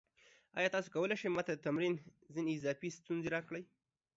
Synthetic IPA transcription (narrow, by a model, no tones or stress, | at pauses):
ɑ̰jɑt̪ɑsokawəleʃəjmɑt̪ad̪ət̪amɾinzineːzɑfist̪unzeɾɑkɽəj